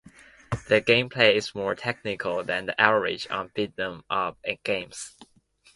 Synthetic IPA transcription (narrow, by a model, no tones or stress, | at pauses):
ðɨɡẽɪ̃mpʰl̥eɪɪzmɔɹtʰɛk̚nɪkʰəlˠðɨ̃nðiʔavəɹɪ̰d͡ʒ̰̃n̩vɪdnə̃mʌpɨ̃nɡ̥ẽɪ̃ms